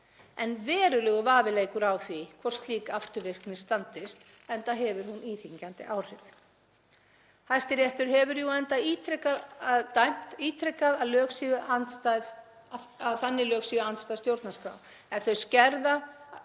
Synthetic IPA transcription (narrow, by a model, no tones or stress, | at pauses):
ɛnvɛːɾʏlɛɣʏvaːvɪleːjkʏɾawθvikʰvɔr̥st̪liːkaaft̪ʏɾvɪr̥knɪ̥st̪ant̪ɪst̪ | ɛnt̪aɦɛvʏɾ̥huniːθiɲcant̪ɪ̰ʔaːwr̥ɪθ | hajst̪ɪɾjɛht̪ʏɾ̥ɦɛvʏɾjuɛnt̪aiːt̪ʰɾɛkaððt̪ajm̥t̪iːt̪ʰɾɛkaðaðlœːksiʏʔanst̪að | aðθanːɪlœːksiːʏanst̪ajst̪jowɾt̪naska̰w | ɛθœɥscɛɾða